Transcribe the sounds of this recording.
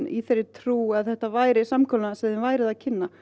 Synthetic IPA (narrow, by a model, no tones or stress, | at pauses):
nḭθeɾːɪɾt̪ʰɾuːaðθɛht̪avaːjɾɪsamkʰɔlnasɛðɪnvaːjɾɪðacʰɪnːa